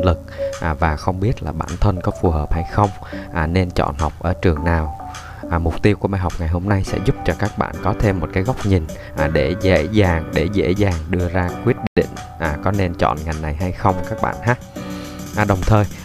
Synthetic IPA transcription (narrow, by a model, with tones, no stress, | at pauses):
lɨ˨˩k̚ʔaː˨˩vaː˨˩xə˧wŋ͡mɓi˦˥ət̚laː˨˩ɓa̰ː˧˩nt̪ʰə˧nkɔ˨˦fu˨˩həː˨˩p̚ha˧jxə˧wŋ͡m | ʔaː˨˩ne˧nt͡ɕɔ̰˧˨nhɔ˨˩wk͡p̚ʔəː˧˩t͡ɕɨ˨˩əŋnaː˨˩w | ʔaː˨˩mʊ˨˩k͡p̚t̪i˧əwku˧˩əɓaː˧jɦɔ˨˩wk͡p̚ŋa˨˩jɦo˧mna˧jsɛ̰˧˥zʊ˦˥p̚t͡ɕɔ˧kaː˦˥k̚ɓa̰ː˧˨nkɔ˨˦t̪ʰe˧mːo˨˩t̚kaː˨˦jɣa˦˥k͡p̚ɲï˨˩n | ʔaː˨˩ɗe˧˩zḛ˧˥zaː˨˩ŋɗe˧˩zḛ˧˥zaː˨˩ŋɗɨ˧əzaː˧kwi˦˥ət̚ɗḭ̈˧˨ŋ̟ | ʔaː˨˩kɔ˨˦ne˧nt͡ɕɔ̰˧˨nŋa˨˩jna˨˩jɦa˧jxə˧wŋ͡mkaː˦˥k̚ɓa̰ː˧˨nhaː˦˥ | ʔɗə˨˩wŋ͡mt̪ʰəː˨˩j